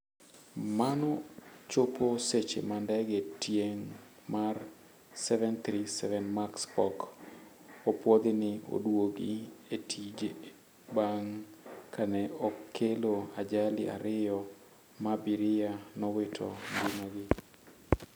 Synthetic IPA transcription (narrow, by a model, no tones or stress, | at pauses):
manɔt͡ʃoposet͡ʃḛmandɛɡetjeŋ | mar | sɛvɛnt̪ɾisɛvɛnmakspɔk | opwɔd̪ɪnɪo̰dwoɡɪ̰etʰid͡ʒe | baŋkʰanɛɔkʰːeload͡ʒalɪʔa̰ɾɪjɔ | mabiɾɪanɔwɪtʰɔŋɡɪmaɡɪ